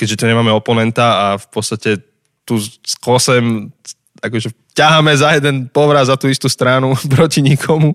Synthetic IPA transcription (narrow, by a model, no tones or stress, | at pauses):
kɛɟʒɛt̪uɲɛmaːmɛɔpɔnɛnt̪aafpɔt̪st̪acɛ | t̪uːskɔsɛm | akɔʒɛ | caɦamɛzajɛd̪ɛnpɔʋɾadzat̪uːist̪uːst̪ɾanupɾɔciɲikʰɔmu